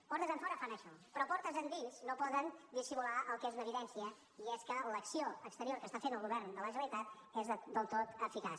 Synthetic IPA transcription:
pɔɾt̪əzəɱfɔɾəfanəʃɔpɾɔpɔɾt̪əzənd̪inznopɔðənd̪isimulaʔəlˠkeznəβiðɛnsiə | iɛskələksioəkst̪əɾioɾkəst̪afenəlˠɣuβɛɾnd̪ələʒəəit̪at̪̚ezəd̪əlˠt̪ot̪əfikas

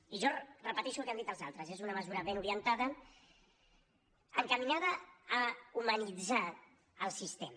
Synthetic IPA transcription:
iʒɔrəpət̪ɛʃulkeand̪it̪əlˠza̰lˠt̪ɾəzezunəməzuɾəβenuɾiənt̪aðə | əŋkəminaðəː | umənid͡za | əlˠsist̪em

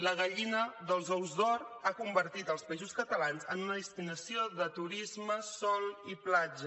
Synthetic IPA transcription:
ləɣəʎinəðəlˠzɔwzd̪ɔɾakumbəɾt̪it̪əlˠspəizuskət̪əlanzənunəðist̪inəsioðət̪uɾizməsɔlˠiplad͡ʒə

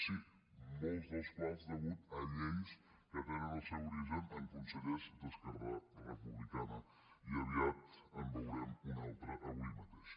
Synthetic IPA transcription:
si | mɛzðəspɾɛzðəɣut̪əʎens | kəβaɾənəsauɾiʒənəlˠkunsəʎezd̪əskərɾarəpuβlikanə | iəβiat̪əmbəwɾɛmunalˠt̪ɾəʔəβimət̪eʃ

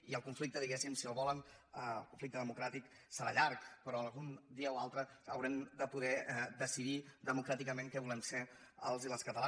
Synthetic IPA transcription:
iəlˠkuɱflik̚t̪əðiɣɛsimsioβɔlənəə̰lˠkuɱflik̚t̪əðəmukɾat̪ik | səɾa̰ʎaɾkpəɾɔəlɣund̪iəoalˠt̪ɾəə̰wɾɛmd̪əpuðɛd̪əsiðid̪əmukɾat̪ikəmẽŋkɛβulɛnseə̰lˠziləskət̪əla

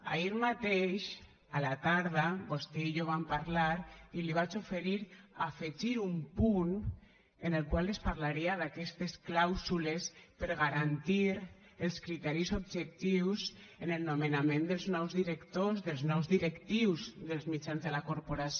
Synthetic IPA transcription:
a̰iɾmat̪eʃ | alat̪aɾðabost̪ɛiʎoβampaɾlaɾiliβ̞at͡ʃofeɾiɾafeʒiɾumpun | enelˠkwalespaɾlaɾiaðakɛst̪esklawzulespeɾɣaɾant̪iɾ | elˠskɾit̪ɛɾisobʒek̚t̪iwsenelnomenamẽnd̪elznɔwzðiɾekt̪ozðelˠznɔwzðiɾekt̪iwzðelzmit͡ʃanzðelakoɾpoɾas

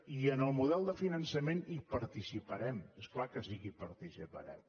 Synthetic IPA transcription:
iənəlˠmuðɛlˠd̪əfinənsəmenipəɾt̪isipəɾɛmesklakəsiɣipəɾt̪isipə̰ɾɛ̰m

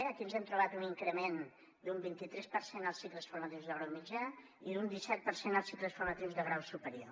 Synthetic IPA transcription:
əkiənzɛmt̪ɾuβat̪uniŋkɾəmen | d̪umbint̪it̪ɾɛspəɾsenəlˠsːik̪ləsfurmət̪iwzðəɣɾawmid͡ʒa | iðund̪isɛt̪̚pəɾsenəlˠsik̪ləsfuɾmət̪iwzðəɣɾawsupəɾio

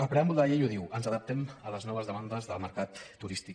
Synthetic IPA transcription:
əlˠpɾeamulˠəʎejuðiwənzəðəp̚t̪ɛmələznɔβ̞əzðəmand̪əzðəlˠməɾkat̪ːuɾist̪i

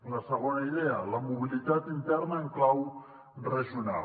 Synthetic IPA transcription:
nasəɣonaiðealamuβilit̪at̪int̪eɾnaeŋklaw | reʒiuna̰

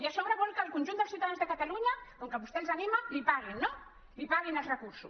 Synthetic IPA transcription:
jiaʃɔβɾəβɔlˠkəːlˠkunʲʒund̪əlˠsiwt̪aðanzðəkat̪aluɲɐkoŋkəβust̪elˠzanimalipaɣinːo | lipaɣinəlˠzrəkuɾsṵs

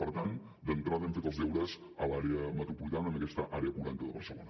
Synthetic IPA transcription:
pəɾt̪an | d̪ənt̪ɾaðɛmfet̪əlˠzðɛwɾəz | əlaɾeəmət̪ɾupulit̪anəməkɛst̪əʔaɾeəpuɾant̪əðəβə̰rsəlo̰nə

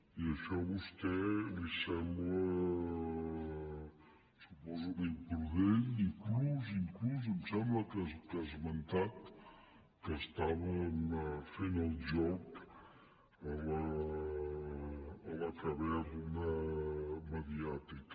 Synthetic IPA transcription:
iəʃɔβust̪ɛlisɛmblə | supɔzukenpɾuðeɲiŋkluziŋkluz̬əmsɛmbləkəkazmənt̪at̪ | kəst̪aβəmfenəlˠd͡ʒɔk | ələ | ləkəβɛðunə | məðiat̪ik

